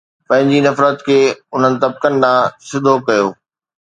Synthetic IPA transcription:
pɐ̃ɦɪ̃ɲd͡ʑinɐfɾət̪kʰeːʊn̤ənɪ̆t̪ɐb̚kənnãːsɪd̪ʱokɐjoː

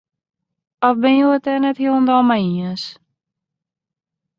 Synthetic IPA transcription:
ɔfbɪnjuətɛnɛthilˠəndɔlˠmajiəs

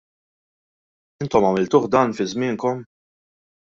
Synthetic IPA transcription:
ɪnt̪ɔmɐmɪlt̪ʊːħd̪ɐːnfɪzmɪːŋkɔm

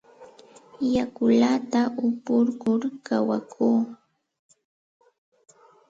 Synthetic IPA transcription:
jakʊlat̪aʔʊpʊɾkʊɾkawakʰuː

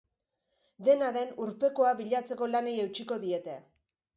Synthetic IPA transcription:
d̪e̞naðe̞nuɾpe̞ko̞aβiʎat͡se̞ko̞lane̞je̞wt͡ʃiko̞ðie̞t̪e̞

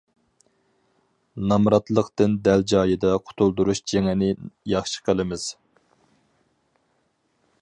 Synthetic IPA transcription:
nɑmɾɑt̪lˠəqt̪ɨnd̪æld͡ʒɑːjɨd̪ɑqʰʊ̥t̪ʰulˠd̪uɾuʃd͡ʒeŋɛnɪjɑχʃə̥qʰəlˠɨmɪz̥

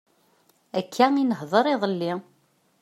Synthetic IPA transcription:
ækʰːæinəɦðˤəɾˤiðˤəlːi

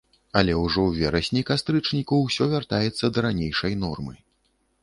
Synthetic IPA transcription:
ɐlʲɛwʐɔwvʲɛɾɐsʲnʲikast̪ɾɨt͡ʂnʲikɐwsʲɔvʲart̪ajɛt̪sːɐd̪ɐɾanʲejʂɐjnɔrmɨ

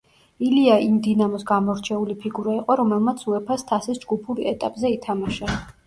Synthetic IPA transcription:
iliaʔimd̪inamɔsɡamɔɾt͡ʃʰɛulipʰiɡuɾaiqʼɔɾɔmɛlˠmat̪sʰuɛpʰast̪ʰasisd͡ʒɡupʰuɾiɛt̪ʼapʼzɛit̪ʰamaʃa

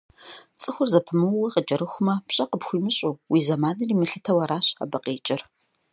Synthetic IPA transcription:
t͡sʼɨxʷʊrzɐpʰɨmɨwɐqəd͡ʒʼɐɾɨxʷʊmɐpɕʼɐqəpxʷiːmɨɕʼuːwiːzɐmaːnɨriːmɨɬɨtʰɐwɐɾaːɕa̰bɐqeːt͡ʃʼɪr

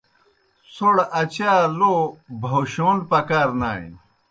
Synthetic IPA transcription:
soɽɐt͡ɕaːlobʱoɕoːnpɐkaːɾna̰ːḭn

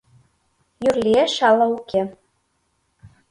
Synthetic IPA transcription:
jyrlʲieʃɑlˠɑukʲe

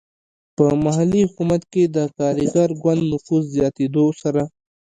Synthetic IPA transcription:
pəmaɦalːihʊkumat̪ked̪əkɑːɾiɡɑɾɡwand̪nʊfuzːjɑːt̪ed̪osaɾa

